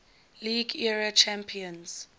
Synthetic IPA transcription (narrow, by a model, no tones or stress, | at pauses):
liɡɛɹat͡ʃʰɛ̃mpʰiɔ̃ns